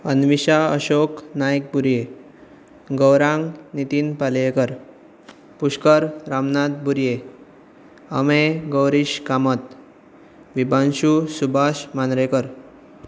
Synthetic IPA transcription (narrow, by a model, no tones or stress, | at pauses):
ənʋiɕaəɕoknajk̚buɾje | ɡəwɾãŋɡnit̪iːnpaljekəɾ | puɕkəɾɾamnad̪̚buɾje | ə̰meɡəwɾiɕkamət̪ | ʋibʱanɕusubʱasmanɾekəɾ